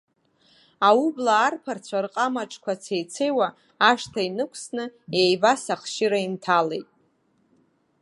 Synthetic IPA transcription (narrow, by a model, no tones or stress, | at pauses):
aublaːrpʰart͡sʷʰarqʼamaʈ͡ʂʼkʷat͡sʰejt͡sʰejwaː | ʂtʰainɨkʷʰsnɨejbasaχʃɪɾaintʰalejtʼ